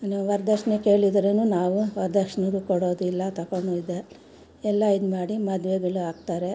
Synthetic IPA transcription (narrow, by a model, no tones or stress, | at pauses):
niʋɐɾd̪ɐkʂɐneke̞ːɭid̪ɐɾenuːnaːʋuʋɐɾd̪ɐkʂɐnɐɾukoɽo̞ːd̪uilːɐt̪ɐkoɳuid̪e | ɛlːɐid̪maːɽimɐd̪ʋeɡɐɭuaːɡ̚t̪aːɾe̞